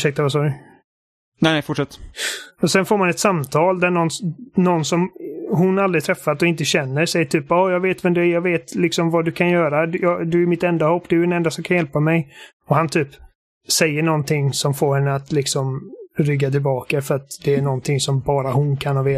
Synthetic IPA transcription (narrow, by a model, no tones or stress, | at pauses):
ʂɛkt̪avas̬ɔɾ | nɛnɛfʊʈʂɛt̪ːɔsɛnfoːɾmanɛt̪samt̪ʰɑːld̪æɳɔnːnɔnsɔmɦʊnːald̪ɾɪt̪ʰɾɛfːat̪ɔɪnt̪əɕɛnːəɾsɛjːəʈʰyːpɔːjɑːɡveːt̪vɛmd̪ɛæjɑɡveːt̪lɪksɔmvad̪ɵkʰanjœːɾad̪jɑd̪ɵæɾmɪt̪ɛnd̪ahɔpːd̪ɛjɛnɛnd̪asɔmkʰanjɛlpamɛj | ɔhant̪ʰyːp | sɛjːəɳɔnt̪ʰɪŋsɔmfoːɾhɛnːəat̪lɪksɔmɾʏɡːat̪ʰɪlbɑːkafœɾat̪d̪ɛːɳɔnt̪ʰɪŋsɔmbɑːɾahʊnkʰanhɑveː